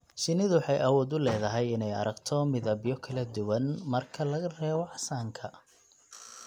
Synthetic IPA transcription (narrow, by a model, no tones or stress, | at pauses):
ʃɪnɪðʊwħɑjʔɐwɔːd̪ʊlɛːðɐɦɛjɪnɛjɐ̰ɾɐɡt̪ʰɔmɪðɐbɪjɔkʰɐlɐd̪ʊwɐnmɐrkʰɐlɐɣɐrɛːwɔʕħsaːŋkʰɐ